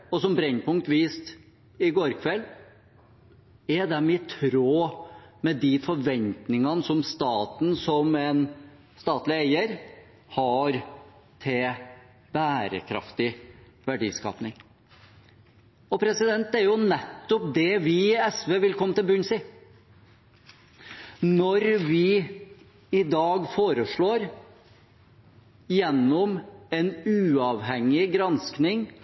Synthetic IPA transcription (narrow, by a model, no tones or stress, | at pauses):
ɔsɔmbɾɛɲnpʰʊŋk̚t̪ʋiːst̪ | ɪɡoːɾkʰʋɛl | ɛd̪ɛmɪt̪ʰɾoːmɛd̪ɪfɔɾʋɛnt̪nɪŋɑnəsɔmst̪ɑːt̪n̩sɔmɛn | st̪ɑːt̪lɪæɪəɾ | hɑɾ | t̪ʰɪl | b̥æːɾə̰kʰɾɑ̰ft̪ɪ | ʋæɖḭːskɑ̰ːpnɪŋ | ɔpʰɾɛsɪd̪ɛnt̪ːæɾjʊnɛt̪ːɔp̚d̪ɛʋɪɛsʋeːʋɪlkʰɔmːənt̪ɪlbʉnsi | nɔɾʋɪ | ɪd̪ɑːɡfoːɾəʂɭoːɾ | jɛnːɔmɛnʉːɑːʋɦɛŋːɪɡɾɑnsknɪŋ